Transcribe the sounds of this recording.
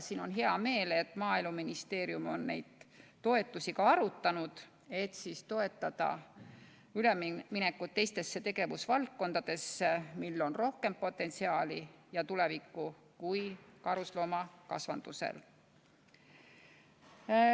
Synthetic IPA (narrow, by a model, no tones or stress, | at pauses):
siːno̞nɦeɑme̞ːle̞t̪ːˑmɑːilmuminist̪e̞ːɾjumo̞nne̞̰jd̪̥t̪o̞e̞t̪ːˑusikɑɑɾut̪ːˑɑnud̪̥ | e̞t̪sist̪o̞e̞t̪ːˑɑd̪̥ɑ̰ | ylemmine̞kːˑut̪ːe̞jst̪e̞sːe̞t̪e̞ɡe̞vusvɑlk̪ko̞nd̪̥ɑd̪̥e̞sːemilːo̞nro̞hke̞mpo̞t̪ːˑe̞nt̪siɑːlijɑt̪ule̞vikːu | kujkɑɾuslo̞ːmɑkɑ̰svɑ̰nd̪̥use̞̰l